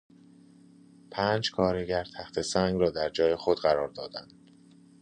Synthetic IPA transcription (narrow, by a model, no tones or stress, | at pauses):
pʰæːnd͡ʒkʰɒːɾeɡæɾt̪ʰæxt̪ʰe̞sæŋɡɾɒːd̪æɾd͡ʒɒːje̞xod̪ɢæɾɒːɾd̪ɒːd̪ænd̪̥